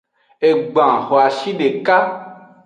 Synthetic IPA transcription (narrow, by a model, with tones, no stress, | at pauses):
e˨ɡ͡bã˨xo˨a˨ʃi˦ɖe˨ka˦